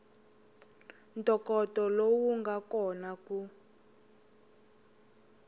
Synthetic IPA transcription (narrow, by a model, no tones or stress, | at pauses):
ntʼɔkɔtɔlowuŋɡʱakɔnaku